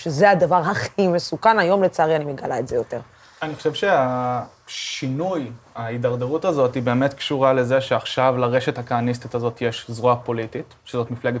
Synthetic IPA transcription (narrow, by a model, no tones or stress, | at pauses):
ʃezeadavaʁɦaχimesukanajo̞mlet͡saːʁianimeɡalaetze̞jo̞te̞ʁ | aniχoʃevʃea | ʃinujaidaʁdeʁutazo̞tibe̞ːme̞tkʃuʁale̞ze̞ʃeaχʃavlaʁe̞ʃethakaːnis̬t̪itazo̞tjeʃzʁoapo̞litit | ʃezo̞tmifleɡet